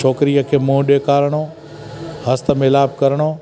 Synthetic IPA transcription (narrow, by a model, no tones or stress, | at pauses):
ɔːkɾiəkʰeːmũɗeːkaːɾɽ̃o | hɐst̪əmɪlaːb̚kɐɾɽ̃oː